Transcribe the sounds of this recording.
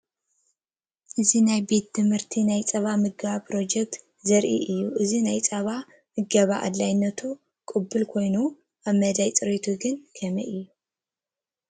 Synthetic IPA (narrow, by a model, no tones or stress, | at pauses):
ʔɨzinajbe̞t̪ːɨmhɨɾt̪ʰinajt͡sʼɐβamɨɡβapʰɾo̞d͡ʒɛk̚t̪ | zɐɾʔḭʔɨjːuʔɨzinajt͡sʼɐβa | mɨɡɐβaʔa̰d̪lajnːɐt̪ʰu | kʼɨbːɨlkʰo̞jnu | ʔaβmɐd̪ajt͡sʼɨɾet̪ʰuɡɨnkʰɐmɐ̰ʔɨjːu